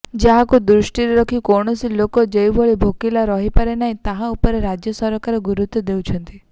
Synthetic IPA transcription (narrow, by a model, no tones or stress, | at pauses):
d͡ʒaɦakud̪ɾusʈiɾeɾɔkʰikɔɽ̃ɔsilokɔd͡ʒejbʱoɭibʱokilaɾɔɦipaɾenaɦĩt̪aɦãupɔɾeɾad͡ʒjɔsɔɾɔkaɾɔɡuɾut̪ːɔd̪ewt͡ʃʰɔnt̪i